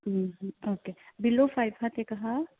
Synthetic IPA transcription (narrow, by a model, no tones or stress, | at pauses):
ɦɦokebilːofajbɦət̪ekəɦa